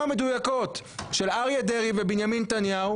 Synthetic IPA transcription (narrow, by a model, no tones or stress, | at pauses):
amed̪ujako̞t̪ʃelaʁiad̪eʁivebinjamint̪anjau